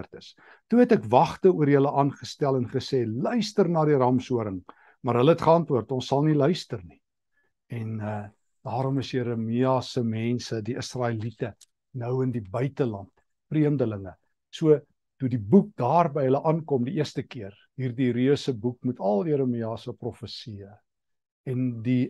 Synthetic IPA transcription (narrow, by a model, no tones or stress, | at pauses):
rtəs | tuɛtɛkvɐχtəuəɾjələʔɑːnχəstælˠɛnχəsɛːlœɥstərnɑːɾirɑmsuəɾəŋ | mɑrɦələɛtχəɑntvuərtɔ̃nsːɐlˠnilœɥstərni | ɛnə | d̥ɑːɾɔməsjəɾəmiɑsəmɛnsədiʔəsrɑːelitə | nəwəndibœɥtəlɐnt | priəmdələŋə | suə | tudibuk̚dɑːrbəjɦələʔɑnkɔmdiiərstəkiər | ɦiːrdiɾiəsəbuk̚mutʰɐlˠjəɾəmiɑsəprɔfəsiə | ɛndi